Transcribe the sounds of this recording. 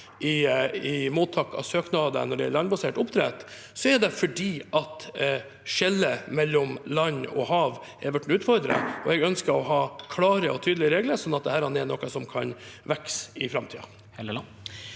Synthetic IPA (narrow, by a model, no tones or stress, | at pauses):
ʔɪɪmuːt̪ʰːɑːkːɑ̰søːknɑːd̪ə̰nɔɖɛɛ̰ɾlɑnbɑseːʈʊpt̪ʰɾɛ̰ːt̪ | sɔɛɾɖ̪ɛfɔɖiːʔɑt̪ | ʃɛlːəmɛlːɔmlɑɲɔ̰hɑːʋ | ɛɾʋæʈɳn̩ʉːt̪fɔɾd̪ɾɑ̰ɔɛɡœnskəɾɔɦɑːkʰlɑːɾəɔt̪ʰyːd̪lɪəɾeːɡləɾʂsɔnːɑt̪̚d̪ɛhæːɾhɑnɛnɔkːɑsɔmkʰɑnʋɛksɪfɾɑmt̪ʰiːɑ̰